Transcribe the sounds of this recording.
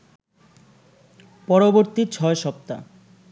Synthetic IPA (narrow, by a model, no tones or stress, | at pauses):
pɔɾoboɾt̪it͡ɕʰɔeʃɔp̚t̪a̰